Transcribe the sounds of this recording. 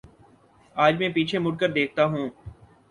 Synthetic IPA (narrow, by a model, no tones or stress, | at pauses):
aːd͡ʒmɛ̃ːpiːt͡ʃʰemʊʈ̚kəɾd̪eːk̚ʰt̪aɦũː